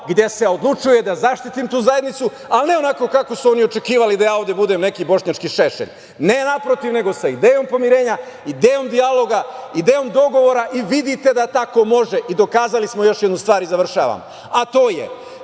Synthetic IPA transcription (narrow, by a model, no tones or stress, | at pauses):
ɡd̪je̞se̞o̞d̪lˠut͡ʃuje̞d̪azaʃt̪it̪imt̪uːzaje̞d̪nit̪su | alne̞o̞nako̞kako̞suo̞nio̞t͡ʃe̞kiːʋalid̪ajaːo̞ʋd̪je̞bud̪e̞mne̞kibo̞ʃɲat͡ʃkiʃe̞ʃḛʎ | ne̞napɾo̞t̪iʋne̞ɡo̞said̪eːjo̞mpo̞miɾe̞ːɲa | id̪eːjomd̪ialo̞ɡaid̪eːjo̞md̪o̞ɡo̞ʋo̞ɾaʔiʋid̪it̪e̞d̪at̪ako̞mo̞ʒe̞ʔid̪o̞kaːzalismojo̞ʃjed̪nust̪ʋaːɾizaʋr̩ʃa̰ːʋa̰mo | at̪o̞ːjḛ